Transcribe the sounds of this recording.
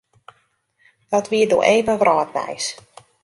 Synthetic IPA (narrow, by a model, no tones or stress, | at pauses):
d̥ɔtʋiədo̰ːʔeːvəʋrʔɔːtʋɛ̰js